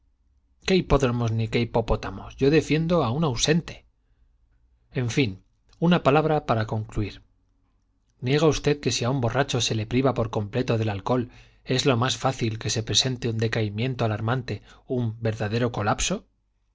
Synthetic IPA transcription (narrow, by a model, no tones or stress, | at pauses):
keipo̞ðɾomo̞znikeipo̞po̞t̪amosʝo̞ðe̞fje̞nd̪oaunawse̞nt̪e̞̥ | eɱfin | unapalaβɾapaɾako̞ŋkluiɾ | nje̞ɣ̞aust̪e̞ðke̞siaumbo̞rat͡ʃo̞se̞le̞pɾiβapo̞ɾko̞mple̞t̪o̞ðe̞lalko̞l | e̞zlo̞masfaθilke̞se̞pɾe̞se̞nt̪eund̪e̞kaimjẽ̞nt̪oalaɾmãnt̪e̞umbe̞ɾðaðe̞ɾo̞ko̞lapso̞